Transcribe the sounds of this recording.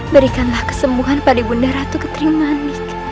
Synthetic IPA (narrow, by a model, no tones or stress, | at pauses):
bəɾikanlahkə̥səmbuɦanpadibundaɾat̪ukə̥t̪ɾimanɪk